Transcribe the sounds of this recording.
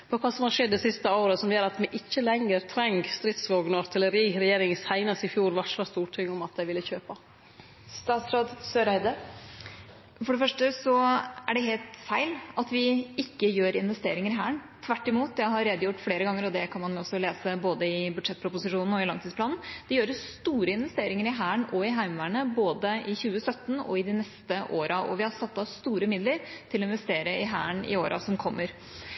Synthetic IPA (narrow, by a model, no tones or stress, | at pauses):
pʰɔkʰɑːsɔmhɑɾʂɛd̪ːɛsɪst̪əoːɾəsɔmjøːɾɑt̪mɛʔɪçːəlɛŋəɾt̪ʰɾɛŋɡst̪ɾɪt̪sʋoːɡnɔɑɾt̪ʰɪləɾiːɾɛjeːɾɪŋsæɪnɑsɪfjuːɾʋɑʂɑst̪uːʈʰʏŋːɔmɑt̪̚d̪æɪʋɪlːəçøːpɑ | st̪ɑːt̪sɾoːd̪søːɾæɪd̪əɾ | fɔɖɛfœʂʈəsɔæɖɛɦeːlt̪fæɪlɑt̪ʋɪɪkːəjøːɾɪnʋɛst̪eːɾɪŋəɾɦæːɳt̪ʰʋæʈːɪmuːt̪jæɦɑɾɾeːd̪əjʊʈːfleːɾəɡɑŋːəɾɔd̪ɛkʰɑnmɑnjʊɔsːɔleːsəboːd̪əɪbʉd̪ʂɛt̪̚ːpʰɾʊpʊsɪʂuːnn̩ɔɪlɑŋt̪ʰid̪splɑːnn̩d̪̥ɛjøːɾəst̪uːɾəɪnʋɛst̪eːɾɪŋəɾɪɦæːɳɔɪɦæɪmʋæːɳəboːd̪əʔɪçʉːəsœt̪ːnɔ̰ɪd̪ɪnɛst̪əʔoːɾɑʔɔ̰ʋɪhɑɾsɑt̪ːɑst̪uːɾəmɪd̪ləɾt̪ʰɪlɔɪnʋɛst̪eːɾəɪɦæ̰ːəɳɪ̰oːɾʔɑ̰sɔmkʰɔmːəɾ